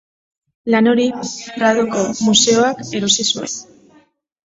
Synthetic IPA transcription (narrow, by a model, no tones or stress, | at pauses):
lano̞ɾiraðoko̞muse̞o̞ake̞ɾo̞sisue̞n